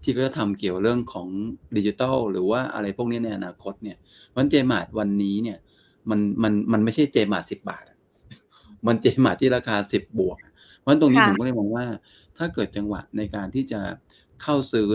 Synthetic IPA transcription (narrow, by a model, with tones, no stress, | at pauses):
t̪ʰi˥˩kʰɔ˥˩t͡ɕa˨˩t̪ʰa˧mki˨˩əwɾɯ˥˩əŋkʰɔː˩˦ŋdiː˧t͡ɕi˧t̪ɔ˥˩wɾɯː˩˦waː˥˩ʔa̰˧ɾa˧jpʰu˥˩əni˦˥na˧jʔa˧naː˧kʰo˦˥t̪̚ni˥˩ɐ | wa˦˥nt͡ɕeː˧maː˨˩t̪̚wa˧nːiː˦˥ni˥˩ə | ma˧nma˧nma˧nma˥˩jt͡ɕʰa˥˩jt͡ɕeː˧maː˨t̪̚si˨˩p̚ba̰ː˨˩t̪̚ʔa˨˩ʔ | ma˧nt͡ɕeː˧maː˨˩t̪ʰːiː˥˩ɾaː˧kʰaː˧si˨˩p̚bu˨˩ək̚ʔa˨˩ | ɔ˦n˦˥t̪o˧niː˦˥pʰːkːla˥˩jmɔː˧ŋwaː˥˩ | t̪ʰaː˥˩kɤː˨˩t̪̚t͡ɕa˧ŋwa̰˨˩t̪̚na˧jkaː˧nt̪ʰiː˥˩t͡ɕa˨˩ | kʰa˥˩wsɯː˦˥